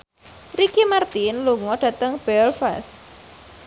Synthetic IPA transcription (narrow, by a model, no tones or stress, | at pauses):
rikimart̪inluŋɔɖ̥ä̤t̪əŋb̥ɛlfa̰s